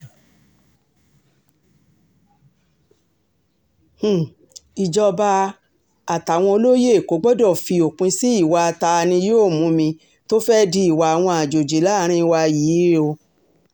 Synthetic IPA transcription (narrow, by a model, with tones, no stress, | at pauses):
h̩˨ | i˨d͡ʒɔ˧ba˧ | a˨ta˨w̃ɔ̃˧o˧lo˦je˦e˨ko˨˦ɡ͡bɔ˦dɔ˦˨fi˧o˨k͡pũ˧si˦i˦˨wa˧ta˧nĩ˧joː˦˨mũ˨˦mĩ˧ | to˦fɛ˦di˧i˨wa˨a˨w̃ɔ̃˧a˨d͡ʒo˨d͡ʒe˨˦la˦˨˦ɾ̃ĩ˦˧wa˧ji˨˦o˧